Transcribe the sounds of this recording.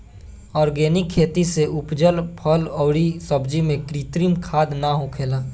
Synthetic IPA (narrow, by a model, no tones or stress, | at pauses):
ɔːɾɡeːnɪkʰːeːt̪iseʔʊpd͡ʒəlpʰɔːlɔːɽisɐbd͡ʒimẽkɾiːt̪ɾiːmkʰaːd̪naɦʊkʰeːlaː